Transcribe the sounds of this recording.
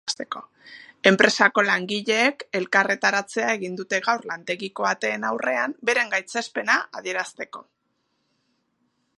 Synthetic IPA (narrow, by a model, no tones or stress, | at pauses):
st̪e̞ko̞ | e̞mpɾe̞sako̞laŋɡiʎe̞ːke̞lkare̞t̪aɾat͡se̞ae̞ɣind̪ut̪e̞ɣawrlant̪e̞ɣiko̞at̪e̞ːnawre̞ambe̞ɾe̞ŋɡajt͡sespe̞naʔað̞ie̞ɾast̪e̞ko̞